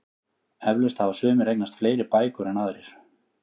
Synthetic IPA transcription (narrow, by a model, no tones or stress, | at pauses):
ɛvlœst̪havasʏːmɪɾejk̚nast̪fleːjɾɪpaːjkʏɾɛnaðɾɪɾ̥